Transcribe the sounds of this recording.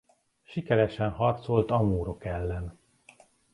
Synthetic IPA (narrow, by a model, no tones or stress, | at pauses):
ʃikɛɾɛʃɛnhɒrt̪so̞lt̪ɒmuːɾo̞kɛlːɛn